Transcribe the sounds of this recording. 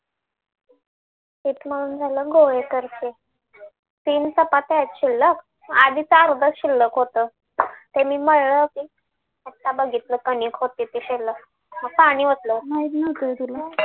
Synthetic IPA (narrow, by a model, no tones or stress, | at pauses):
t̪it̪m̤əɽuːnd͡zʱaləːɡoɭekəɾt͡ɕe | t̪iːnsəpat̪at̪ɕilːək | ad̪it͡səəɾd̪ʱət͡sɕilːəkɦot̪əː | t̪emiːməɽləkiː | ət̪ːabəɡʱit̪ləkəniːkʰɦot̪it̪eɕelːək | məɡ̚paɽ̃iːʋət̪ləmait̪nət̪əd̪ilə